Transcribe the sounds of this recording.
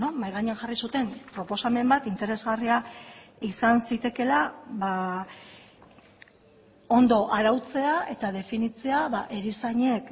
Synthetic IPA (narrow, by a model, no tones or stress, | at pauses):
nomajɣaɲeanʝarisut̪e̞mpɾo̞po̞same̞mbat̪int̪e̞ɾe̞zɣariaisansit̪e̞ke̞laβa | o̞nd̪o̞ʔaɾawt͡se̞ae̞t̪að̞e̞finit͡se̞aβaʔe̞ɾisaɲe̞k